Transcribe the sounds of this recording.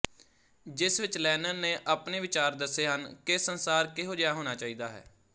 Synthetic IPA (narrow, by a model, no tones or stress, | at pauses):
d͡ʒɪsʋɪt͡ʃlɛːnənnẽːʔaːpneːʋɪt͡ʃaːɾd̪əseːɦənkɪsənsaːɾkɪɦoːd͡ʒjaːɦoːnaːt͡ʃaːiːd̪aːɦɛ̰ː